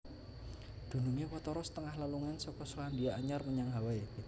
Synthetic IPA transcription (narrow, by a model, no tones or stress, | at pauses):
d̪̥ṳnuŋewɔt̪ɔɾɔsə̥t̪əŋahləluŋansɔkɔsandiaːɲarməɲaŋɦawae